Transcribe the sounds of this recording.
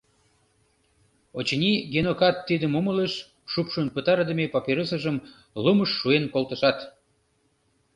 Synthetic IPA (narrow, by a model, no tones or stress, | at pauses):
ot͡ɕənʲiɡenokɑt̪ːid̪əmumələʃ | ʃupʃonpət̪ɑɾəd̪əmepɑpʲeɾəsəʒəm | luməʃːuenkolt̪ə̆ʃɑt̪